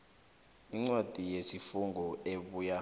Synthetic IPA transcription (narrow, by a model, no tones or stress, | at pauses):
iŋ͡ǀwad̥ʱijesifuŋɡʱɔeɓuːja